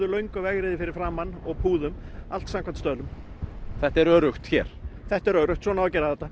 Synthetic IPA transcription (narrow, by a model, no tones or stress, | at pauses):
ðʏlœɥŋkʏvɛɣɾɪðɪfɪɾɪɾ̥fɾaːmanːɔɣpʰuːðʏmalt̪samkʰvant̪st̪œlʏm | θɛht̪ɛɾœːɾʏxt̪çɛ̰ɾ̥θɛht̪ɛɾœːɾʏxt̪sɔːnavɔcɛːɾaðθɛt̪ːa